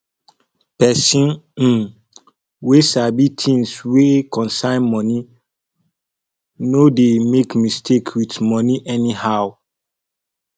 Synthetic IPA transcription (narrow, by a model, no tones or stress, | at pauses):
pɛsĩn̩ | weʃabitʰĩŋswekɔ̃nsãɪ̃nmɔ̃ni | nodemekmistʰekʰwitmɔniʔɛnihaʊ